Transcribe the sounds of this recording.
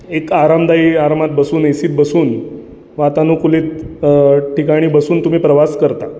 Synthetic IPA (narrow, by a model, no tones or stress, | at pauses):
ekaɾamd̪aiaɾmat̪̚bəsuːnesiːt̪̚bəsuːn | ʋat̪anukuliːt̪̚ | ʈikaɽ̃iːbəsuːnt̪um̤iːpɾəʋaskəɾt̪a